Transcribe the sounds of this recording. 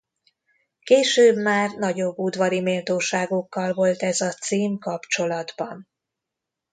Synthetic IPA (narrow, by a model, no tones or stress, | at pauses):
keːʃøːbmaːrnɒɟo̞bːud̪vɒɾimeːlt̪oːʃaːɡokːɒlvo̞lt̪ɛzɒt̪siːmkɒpt͡ʃo̞lɒd̪bɒn